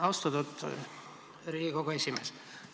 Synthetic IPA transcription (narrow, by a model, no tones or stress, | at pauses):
ɑwst̪ot̪ut̪ː | ɾiːɡikoɡoesʲimeːs